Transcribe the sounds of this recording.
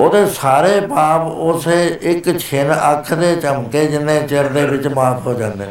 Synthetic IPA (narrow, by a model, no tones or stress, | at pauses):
oːd̪eːsaːɾeːpaːpʊseɪkt͡ʃʰɪnəkʰd̪eːt͡ʃəmkeːd͡ʒɪnːẽːt͡ʃəɾd̪eːʋɪt͡ʃmaːpʰɦoːd͡ʒãːnd̪eː